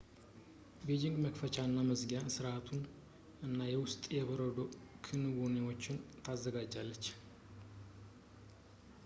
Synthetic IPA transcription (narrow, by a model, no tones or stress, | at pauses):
bed͡ʒɪŋɡməkfət͡ʃaɨnːaməzɡjasɨɾat̪ʰun | ɨnːajɛwʊst̪ʼjɛβəɾəd̪o̞kʰɨnɨbonewo̞t͡ʃːɪnt̪ʰazːəɡad͡ʒːalːət͡ʃː